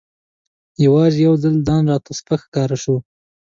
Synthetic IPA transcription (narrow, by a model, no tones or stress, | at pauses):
jawɑzejawd͡zald̪ɑnɾɑt̪aspəxkɑɾaʃu